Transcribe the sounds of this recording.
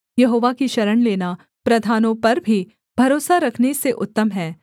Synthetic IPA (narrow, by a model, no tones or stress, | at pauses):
jɐɦoːʋakiʃɐɾəɳleːna | pɾɐd̪ʱaːnõpɐɾbʱi | b̥ʱɐɾoːsaɾɐkʰneseʔʊt̪ːəmɦɛː